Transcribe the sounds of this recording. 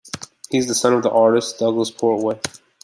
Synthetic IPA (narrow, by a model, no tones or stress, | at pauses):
hizðəsʌ̃nʌvðiʔɑɹɾɨsd̥ʌɡləspʰɔɹt̚weɪ